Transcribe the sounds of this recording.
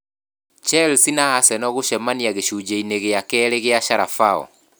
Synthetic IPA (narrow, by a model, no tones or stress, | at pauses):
t͡ʃɛlsinaːsɛnɔɣoʃɛmaniaɣeʃud͡ʒeineɣeakɛɾeɣeaʃaɾafaɔ̰